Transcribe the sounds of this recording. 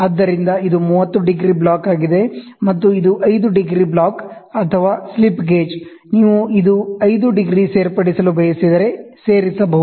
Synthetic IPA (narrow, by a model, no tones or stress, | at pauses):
ɐːd̪ːɐɾind̪ɐid̪umuːʋɐt̪ːuɖiɡɾiblaːkaːɡid̪e̞ | mɐt̪ːuid̪uʔɐjd̪uɖiɡɾiblaːkɐt̪ʰɐʋaːslipɡeːd͡ʒ | niːʋuid̪uɐjd̪uɖiɡɾiseːɾpɐɽisɐlubʱɐjɐsid̪ɐɾe̞seːɾisɐbɐɦu